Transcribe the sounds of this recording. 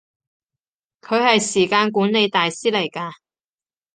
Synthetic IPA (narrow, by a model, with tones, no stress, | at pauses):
kʰɵ˨˧ɥhɐ˨jsiː˨˩kaː˧nkuː˨˥nne˨˧jt̪aː˨jsiː˥lɐ˨˩jkaː˧